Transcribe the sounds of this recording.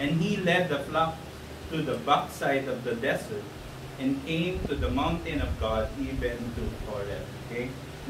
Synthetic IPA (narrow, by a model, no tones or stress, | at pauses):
ɛ̃nɦilɛd̚d̪əflak̚ | tud̪əbʌk̚saɪdɔvd̪ədɛsət̚ | ɛ̃nkʰẽɪ̃mtud̪əmãʊ̃ntɪ̃nɔvɡɔdivə̃ndufɔɹɛ̰toke